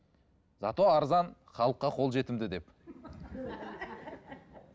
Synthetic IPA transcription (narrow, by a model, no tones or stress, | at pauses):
zɑt̪oɑɾzɑnχɑlˠəqːɑqʰolˠʒe̞t̪ɪmd̪ɪd̪e̞p